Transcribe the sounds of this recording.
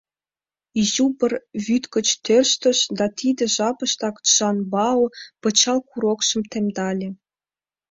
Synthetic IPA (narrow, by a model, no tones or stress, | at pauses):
iʑubə̆rβyt̪kə̆t͡ɕt̪ørʃt̪ə̆ʃd̪ɑt̪id̪ĕʒɑpəʃt̪ɑk̪ʒ̥ɑnbɑopɤ̆t͡ɕɑlkuɾokʃə̆mt̪emd̪ɑlʲĕ